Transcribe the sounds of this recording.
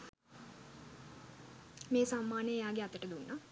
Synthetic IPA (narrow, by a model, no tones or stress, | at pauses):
meːsamːaːnejejaːɡeat̪əʈəd̪unːa